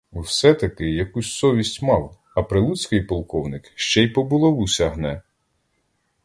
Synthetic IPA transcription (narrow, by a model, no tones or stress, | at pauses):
uwsɛt̪ɐkɪjɐkusʲsɔʋʲisʲtʲmɑw | ɐpɾɪlˠut͡sʲkɪjpɔlˠkɔwnɪkʃt͡ʃɛjpɔbʊlˠɔʋusʲɐɦnɛ